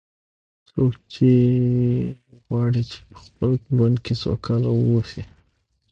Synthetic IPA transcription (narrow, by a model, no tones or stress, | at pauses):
sokt͡ʃe | ɣwɑɽit͡ʃe̥pə̥xpəlwand̪̚kʰeso̰kʰalawosi